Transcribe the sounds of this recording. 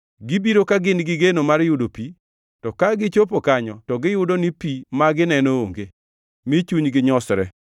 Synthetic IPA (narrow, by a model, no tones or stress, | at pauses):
ɡɪbiɾokaɡɪnɡɪɡenomarjʊdopi | tɔkaɡɪt͡ʃopokaɲɔtɔɡɪjʊdonɪpimaɡɪnɛnoo̰ŋɡe | mɪt͡ʃuɲɡɪɲɔsɾɛ̰